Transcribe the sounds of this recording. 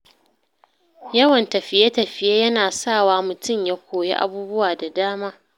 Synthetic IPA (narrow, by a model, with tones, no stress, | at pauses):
jɐ˦wɐ˨ntɐ˨ɸɪ˨je˦tɐ˨ɸɪ˨jeː˦jɐ˦naː˨sa˦˨waː˦mʊ˨tʊ˦˨mja˦kʷʰoː˨jḛ˦ʔa̰˨buː˦bʊ˦waː˨da˨daː˦maː˦